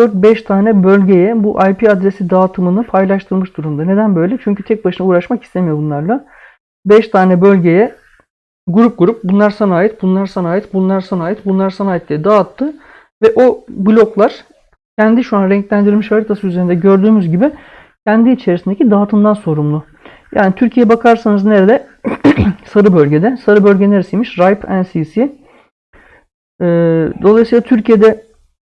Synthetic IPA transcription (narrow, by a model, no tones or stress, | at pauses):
d̪øɾt̪̚bɛʃt̪ʰaːnɛbø̞lʲɟe̞jɛbuʔajpʰiad̪ɾesid̪aːt̪ʰɯmɯnɯpʰajlˠaʃt̪ʰɯlmɯʃd̪uɾumd̪ane̞d̪ænbø̞jlʲɛt͡ʃʰyɲcʰyt̪ʰɛc̚baʃɯnauːɾaʃmaki̥st̪ʰemijo̞bunlˠaɾlˠa | bɛʃt̪ʰaːnɛbø̞lʲɟe̞jɛ | ɡuɾup̚ɡuɾup̚bunlˠaɾsanaːjit̪̚bunlˠaɾsanaːjit̪bunlˠaɾsanaːjit̪bunlˠaɾsanaːjit̪lʲijɛd̪at̪ʰːɯ | vɛʔo̞blʲo̞klˠaɾ̥ | cʰɛnd̪iʃuanɾɛɲclʲænd̪iɾmiʃaɾɯt̪ʰasɯyze̞ɾind̪ɛɟø̞ɾd̪yːmyzɟibɪ | cʰɛnd̪iːt͡ʃʰe̞ɾisind̪ecʰid̪aːt̪ʰɯnd̪anso̞ɾumlˠʊ | jaːnit̪ʰyɾcʰijɛbakʰaɾsanɯzne̞ɾed̪ɛ | saɾɯbølʲɟed̪ɛsaɾɯbø̞lʲɟeneɾisijmiʃɾajpʰænsisi | ɛːd̪olˠajsiːlˠat̪ʰyɾcije̞d̪ɛ